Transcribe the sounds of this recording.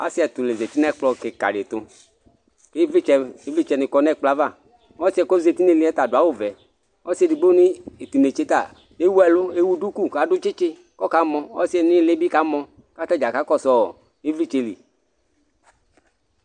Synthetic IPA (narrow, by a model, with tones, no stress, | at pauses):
a̰˦si˦ɛ˨t̪ʊ˨le˨ze˨t̪i˦nɛ˦k͡plɔ˧ke˨ka̰˨ɖe˨t̪ʊ˨ | ke˦ɛ˧˨i˦vi˦t͡ʃɛ˧nɪ˨kɔ˦nɛ˦˨k͡pla˦va˦˨˦ | ɔ˦si˦ɛ˨kɔ˦ze˨t̪i˦ne˨li˨˦ɛ˦t̪a˨dʊ˨a˨˦wʊ˦˨vɛ˨ | ɔ˦si˦ɛ˨di˨ɡ͡bo˦nɪ˦e˨t̪i˨ne˨t͡ʃe˦t̪a˨ | e˦wu˦ɛ˨lʊ˦e˦wu˦du˦ku˦˨ka˨dʊ˦t͡ʃɪ˦t͡ʃɪ˦ | kɔ˦ka˦mɔ˧ɔ˦si˦ɛ˨nɪ˦le˦bi˦ka˦mɔ̃˧ | ka˦tɛ˦d͡ʒa˨ka˦kɔ˦˨sɔ˨ | i˦vi˦t͡ʃe˨˧lḭ˨